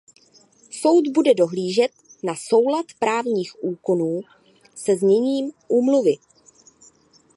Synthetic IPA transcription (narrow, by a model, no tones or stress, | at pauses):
so̞wt̪budɛdo̞ɦliːʒɛt̪̚naso̞wlat̪pɾaːvɲiːxʔuːko̞nuː | sɛzɲɛɲiːmʔuːmluvɪ